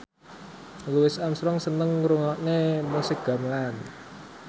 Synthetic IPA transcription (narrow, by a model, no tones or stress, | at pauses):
luwɪsamsɾɔŋsənəŋɾuŋɔʔnemusiɡ̥a̤mlan